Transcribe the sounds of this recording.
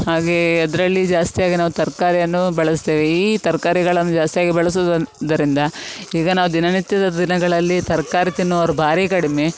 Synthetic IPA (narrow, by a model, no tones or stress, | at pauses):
haːɡeɐd̪ɐɾɐlːid͡ʒaːst̪ijaːɡinaːʋut̪ɐɾkaːɾijɐnːubɐɭɐst̪eːʋeiːt̪ɐɾkaːɾiɡɐɭɐnːud͡ʒaːst̪ijaːɡibɐɭɐs̬oːd̪ɐd̪ɐɾind̪ɐiːɡɐnaːʋud̪inɐnit̪jɐd̪ɐd̪inɐɡɐɭɐlːit̪ɐɾkaːɾit̪inːuɐɾɐbʱaːɾikɐɽime̞